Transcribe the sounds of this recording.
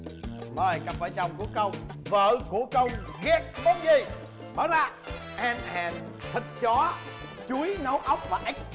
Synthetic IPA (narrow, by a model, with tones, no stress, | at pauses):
məː˨˩jka˧˥p̚vəː˧˨˩jt͡ɕa˧˩wŋ͡mku˧˩əkə˧wŋ͡mvə̰ː˧˨ku˧˩əkə˧wŋ͡mɣɛ˨˦t̚ɓə˨˦t̚zi˨˩ | ɓaː˨˩˦wzaː˧˩ | ʔɛ˧˩nhɛ̰ː˨˩n | t̪ʰï˨˩k̚t͡ɕɔ˨˦ | t͡ɕu˨˦jnə˨˦wʔə˦˥wk͡p̚vaː˨˩ʔa˦˥jk̟̚